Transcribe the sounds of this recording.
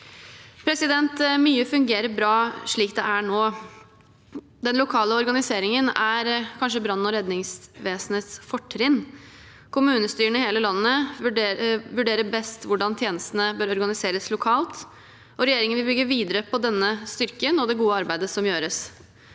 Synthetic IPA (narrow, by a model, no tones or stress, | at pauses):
pʰɾɛsɪd̪ɛnt̪myːəfʉŋɡeːɾəbɾɑːʂɭiːk̚d̪ɛʔæɳoː | d̪ɛnlʊkʰɑːləɔɾɡɑnɪseːɾɪŋənæɾkʰɑnʂəbɾɑnːɔɾɛd̪nɪŋsʋeːsnət̪sfɔʈʰːɾɪnː | kʰʊmʉːnəst̪yːɾəɳəheːləlɑnːəɖʋʉɖeːɾəbɛst̪ʋʊɖɑnt̪ʰjeːnəst̪ənəbøːɾɔɾɡɑnɪseːɾəslʊkʰɑːlt̪ | ʔɔɾɛjeːɾɪŋənʋɪlbʏɡːəʋiːd̪əɾəpʰɔd̪ɛnːəst̪ʏɾkənɔd̪ɛɡuːəɑɾbæɪd̪əsɔmjøːɾəs